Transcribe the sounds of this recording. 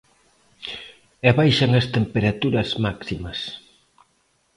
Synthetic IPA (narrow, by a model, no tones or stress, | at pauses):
ɛβajʃaŋɐst̪empeɾat̪uɾɐzmaksimɐs